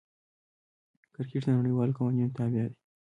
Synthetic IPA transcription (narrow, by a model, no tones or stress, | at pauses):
kɪɾkeʈd̪ənaɽəjwɑːlokawɑnjunt̪ɑbjad̪i